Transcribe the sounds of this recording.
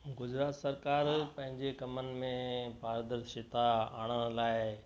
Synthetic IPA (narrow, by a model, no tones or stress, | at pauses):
ɡʊd͡ʑɾaːt̪sɐɾkaːɾpɐ̃ɦɪ̃ɲd͡ʑekɐmənɪ̆mẽpaːɾd̪əɾʃɪt̪aa̰ːɽ̃əɽ̃laːɪ